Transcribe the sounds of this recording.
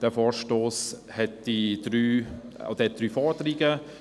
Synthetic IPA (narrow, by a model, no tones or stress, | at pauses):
d̥ɛfɔːɾʃtoːs | hɛt̚d̥id̪̥ɾyː | o̰d̥̪əhɛt̚d̥̪ɾyːfɔːdəɾiɡə